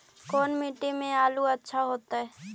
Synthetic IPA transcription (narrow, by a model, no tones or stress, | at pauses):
kɔːnmiʈemẽaːluɐtːʃʰaɦoːt̪aɦɛ